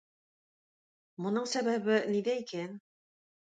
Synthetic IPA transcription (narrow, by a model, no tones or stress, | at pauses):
mŏnɤɴsæβæβɘniðæikæn